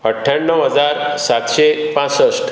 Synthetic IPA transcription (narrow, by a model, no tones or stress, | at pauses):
əʈʰːjaɳːəwɦəd͡zaɾsat̪ɕepãt͡səsʈ